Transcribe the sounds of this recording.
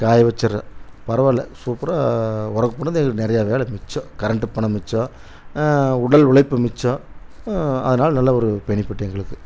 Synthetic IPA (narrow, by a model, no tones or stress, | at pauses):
kaːjʋɐt͡ʃːɐɾɐ̰pɐɾɐʋɐlɛ̰suːpɪɾaʊɾɐkːɯpːoːnːɐðɛŋɡɐɭnɪɾɐjaːʋeːlɛmɪt͡ʃːɔ̃ːkɐɾɐɳʈːɯpːɐɳːɐmɪt͡ʃːɔ̃ː | ʊɽɐlʊɭɐɪpːɯmɪt͡ʃːɔ̃ː | ɐ̰ðɐnaːlɐnɐlːaɔɾɯpɛɳɪpːɪʈːɛŋɡɐɭɯkːɯ